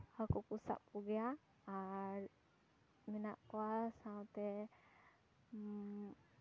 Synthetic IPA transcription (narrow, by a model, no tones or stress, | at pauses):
hakɔkusa̰ʔpuɡija | aɹ | mina̰ʔkɔwasawt̪ɛ